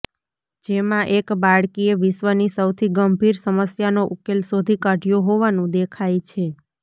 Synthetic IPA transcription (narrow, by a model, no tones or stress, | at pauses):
d͡ʒemãʔekbaɭkieʋɪʃʋənisəwt̪ʰiɡəmbʱiɾsəməsjanoʔukelsod̪ʱikəʈijoɦoʋanũd̪ekʰajt͡ʃʰe